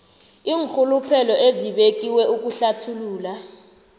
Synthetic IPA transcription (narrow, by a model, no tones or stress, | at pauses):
iːŋxʰulupʰɛlɔʔeziɓek̬ʼiwɛuk̬uɬatʰuluːla